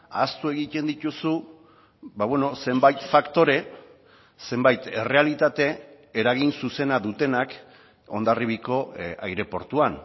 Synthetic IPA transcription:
a̰st̪ue̞ɣ̞it̪e̞nd̪it̪usu | βaβwe̞no̞se̞mbajt̪fakt̪o̞ɾe̞ | se̞mbajt̪e̞re̞alit̪at̪e̞ | eɾaɣ̞insuse̞naðut̪e̞nak | o̞̰nd̪ariβiko̞a̰jɾe̞po̞ɾt̪uan

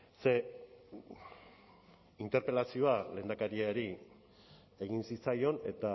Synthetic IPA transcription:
se̞ | int̪e̞ɾpe̞lasio̞ale̞ːnd̪akaɾiaɾi | e̞ɣinsit͡sajo̞ne̞t̪a

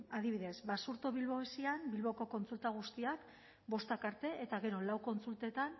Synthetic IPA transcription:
aðiβ̞iðe̞zβasuɾt̪o̞βilβo̞esiambilβo̞ko̞ko̞nt͡sult̪aɣ̞ust̪iak | bo̞st̪akaɾt̪e̞ʔet̪aɣe̞ɾo̞lawko̞nt͡sult̪e̞t̪an

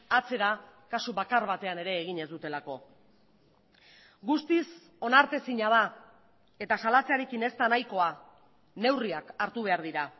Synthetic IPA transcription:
at͡se̞ɾakasuβakaɾβat̪e̞ane̞ɾe̞ːɣ̞iɲe̞zd̪ut̪e̞lako̞ | ɡust̪is | o̞naɾt̪e̞siɲað̞a | e̞t̪asalat͡se̞aɾe̞kine̞st̪anajko̞a | ne̞wriakaɾt̪uβ̞e̞aɾðiɾa

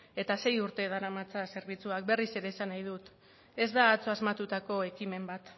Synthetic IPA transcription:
e̞t̪ase̞juɾt̪e̞ð̞aɾamat͡sase̞ɾβ̞it͡suak̚be̞rise̞ɾe̞ːsanajð̞ut̪ | e̞zd̪aːt͡soazmat̪ut̪ako̞e̞kime̞mbat̪

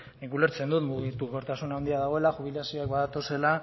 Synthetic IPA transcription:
nikule̞ɾt͡se̞nd̪ut̪muɣit̪uko̞ɾt̪asunawnd̪iaðaɣ̞o̞elaxuβ̞ilasio̞akbaðat̪o̞se̞la

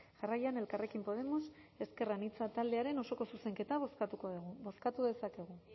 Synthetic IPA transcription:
ʝarajane̞lkare̞kimpo̞ð̞e̞mo̞se̞ske̞ranit͡sat̪ald̪e̞aɾe̞no̞so̞ko̞suse̞ŋke̞t̪aoskat̪ukoɣbo̞skat̪uðe̞sake̞ɣ̞u

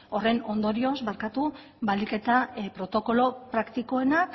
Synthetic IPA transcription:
o̞re̞no̞nd̪o̞ɾio̞zβaɾkat̪u | βalike̞t̪apɾo̞t̪o̞ko̞lo̞pɾakt̪iko̞e̞na

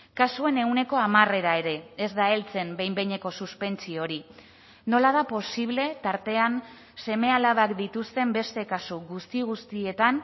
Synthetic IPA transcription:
kasue̞ne̞une̞ko̞amare̞ɾae̞ɾe̞ezd̪ae̞lt͡se̞mbe̞jmbejɲe̞ko̞suspe̞nt͡sio̞ɾi | no̞lað̞apo̞siβ̞le̞t̪aɾt̪e̞an | se̞me̞alaβakd̪it̪ust̪e̞mbe̞st̪e̞kasuɣust̪iɣ̞ust̪ie̞t̪an

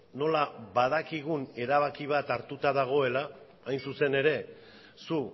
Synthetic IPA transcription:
no̞laβað̞akiɣ̞une̞ɾaβakiβ̞at̪aɾt̪ut̪aðaɣ̞o̞e̞laː | jnsuse̞ne̞ɾe̞ | su

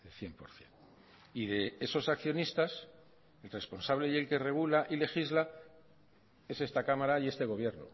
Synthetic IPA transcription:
elθje̞mpo̞ɾθje̞n | iðe̞eso̞sakθjo̞nist̪as | elre̞spo̞nsaβle̞je̞lke̞re̞ɣ̞ulaʔile̞xizla | e̞se̞st̪akamaɾaie̞st̪e̞ɣo̞β̞je̞ɾno̰

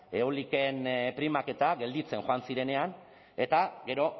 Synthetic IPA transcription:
eolikenpɾimake̞t̪aɡe̞ld̪it͡se̞nxoansiɾe̞ne̞an | e̞t̪aɡe̞ɾo̞

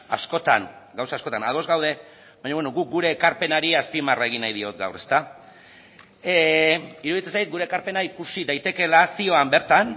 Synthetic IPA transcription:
a̰sko̞t̪a̰nɡawsasko̞t̪anaðo̞zɣawð̞e̞ | βaɲaβwenoɣuk̚ɡuɾe̞ːkaɾpe̞naɾiaspimarae̞ɣ̞inajðio̞t̪ɡa̰wrest̪a | iɾuðit͡sensajt̪̚ɡuɾeːkaɾpe̞naikusiðajt̪e̞ke̞lasio̞ambe̞ɾt̪an

